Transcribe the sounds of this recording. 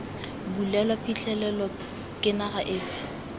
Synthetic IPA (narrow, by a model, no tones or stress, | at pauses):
bulɛlapʰit͡ɬʰʼɛlɛlɔ | kʼɪnaɣaʔɪːfɪ̥